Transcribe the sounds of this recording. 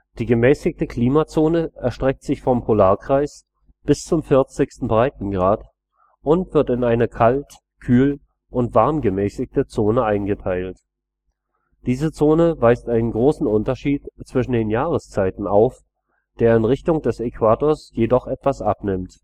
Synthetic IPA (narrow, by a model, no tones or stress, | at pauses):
d̥iːɡəmɛːsɪk̚təkʰl̥iːmat͡soːnəʔɛɐʃtʁ̥ɛk̚tz̥ɪçfɔmpʰolaːɐkʁ̥aɪs | b̥ɪst͡sʊmfɪɐt͡sɪçstn̩bʁaɪtn̩ɡʁaːt | ʔʊntv̥ɪɐtɪnaɪnəkʰalt | kʰyːl | ʔʊntv̥aɐmɡəmɛːsɪçtət͡soːnəʔaɪnɡətʰaɪlt | d̥iːzət͡soːnəvaɪstʔaɪnənɡʁoːsn̩ʊntɐʃiːtt͡sv̥ɪʃn̩deːnjaːʁ̞əst͡saɪtn̩aʊf | d̥eːɐɪnʁɪçtʊŋd̥ɛsekv̥aːtoːɐsjedɔχʔɛtv̥asʔa̰pnɪmt